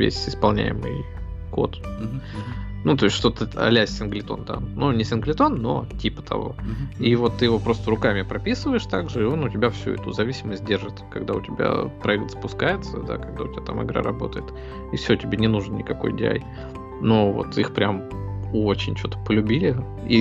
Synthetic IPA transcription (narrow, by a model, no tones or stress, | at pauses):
vʲḛsʲɪspɐlˠnʲæ̰jɪ̰mɨ̰j | ko̞̰t̪ | nut̪o̞ɪsʲʂt̪ot̪ɨt̪ɐ̰lʲæsʲsʲɪnɡlʲɪt̪o̞̰nt̪a̰nunʲɪsʲɪnɡlʲɪt̪o̞nːo̞̰tʲipə̥t̪ʰɐ̰vo̞̰ivo̞t̪ːɨjɪvo̞pɾo̞st̪əɾʊkamʲɪpɾɐpʲisɨvəjɪʂt̪aɡʐɨɪo̞nʊtʲɪbʲafsʲṵɛ̰t̪ʊzɐvʲisʲɪməsʲt̚ʲdʲe̞rʐɨt̪kɐɡd̪aʊtʲɪbʲa̰pɾɐɛk̚t̪z̥ə̥pʊskajɪt̪səd̪a̰kɐɡ̚d̪aʊtʲɪbʲat̪amɨ̰ɡɾa̰ɾɐbo̞̰t̪əjɪt̪ | ifsʲotʲɪbʲenʲɪnuʐənnʲɪkɐko̞jdʲɪa̰j | no̞vo̞̰t̪ixpɾʲam | ot͡ɕɪnʲt͡ɕot̪ə̥pəlʲʉbʲilʲɪ | i